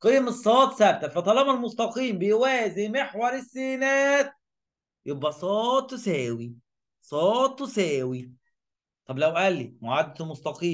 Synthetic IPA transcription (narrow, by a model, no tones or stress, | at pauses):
qejmesˤːɑːt̪sæb̚t̪æfæt̪ˤɑlɑmælmost̪ɑqiːmbejwæːzimeħwɑɾˤɪsːeːnæːt̪̚ | jobʔæsˤɑːt̪ˤːwsæːwi | sˤɑːt̪ˤːwsæːwi | t̪ˤɑblæwʔælːimoʕad̪ːæt̪most̪ɑqiːm